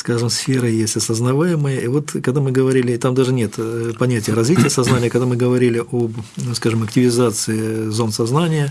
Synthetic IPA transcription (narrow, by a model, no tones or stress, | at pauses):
skaʐɨmsfʲeɾəjesʲtʲɐsəznɐvajɪməjəʔivo̞t̪kɐɡd̪amɨɡəvɐɾʲilʲɪt̪amd̪aʐɨnʲet̪pɐnʲætʲɪjəɾɐzvʲitʲɪjəsɐznanʲɪjəkɐɡd̪amɨɡəvɐɾʲilʲɪʔobskaʐɨmɐktʲɪvʲɪzat̪sɨɪzo̞nsɐznanʲɪjə